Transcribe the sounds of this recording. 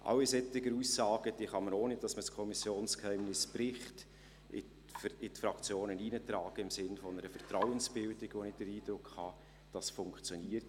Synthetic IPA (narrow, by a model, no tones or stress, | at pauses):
ʔɑ̰wisɛtɪɡəɾusːɑːɡ̥əd̥iːχɑmənoːnɪtdɑsməskʰɔmɪsjoːnskhɛɪmnɪspɾɪχt | ɪ̰ | fɪtfɾɑkt͡sjoːnəniːnətɾɑːɡ̥əɪmsɪnfɔnəɾəfɛɾtɾawənsb̥ɪldɪɡ̥ʋonɪt̚d̥əɾiːd̥ɾʊkhɑ | d̥ɑsfʊŋkt͡sjɔniːəɾt